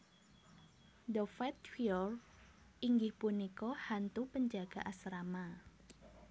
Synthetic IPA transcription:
dɔfɛt̪̚fiɔr | iŋɡɪhpunikɔhant̪upəɲd͡ʒaɡ̥a̤ʔasɾama

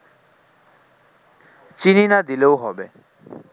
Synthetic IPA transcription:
t͡ɕininad̪ileoɦɔbe

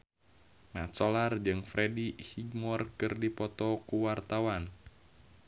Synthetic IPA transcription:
mat͡ʃɔlard͡ʒɨŋfɾɛdihiɡmɔrkɨrdipɔt̪ɔkuwart̪awan

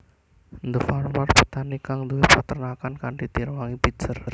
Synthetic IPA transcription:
nd̪əfalmarpət̪anikaŋd̪uwepat̪ərnakankaɳɖit̪iɾwaŋibidsərr

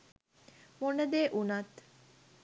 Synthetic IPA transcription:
monəd̪eʔunat̪

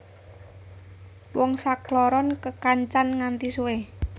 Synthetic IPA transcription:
wɔŋsaklɔɾɔnkəkaɲt͡ʃanŋant̪isue

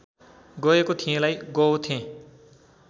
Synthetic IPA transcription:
ɡʌekot̪ʰiẽlajɡʌwt̪ʰẽ

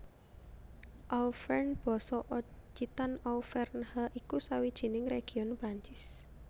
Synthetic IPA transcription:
ʔawfɛrnb̥ɔ̤sɔʔɔd͡ʒit̪anawfɛrnhaʔikusawid̥ʒ̥i̤nɪŋreɡ̥i̤ɔnpɾaɲt͡ʃɪs

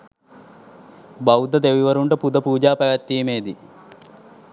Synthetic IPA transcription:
bɐwd̪ɐd̪eʋiʋɐɾuɳɖɐpud̪ɐpuːd͡ʒaːpɐʋɐt̪ːijɐmeːd̪i

